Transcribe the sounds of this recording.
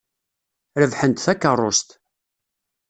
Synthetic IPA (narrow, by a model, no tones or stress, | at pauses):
ɾəvħənt̪θækːərˤːost̪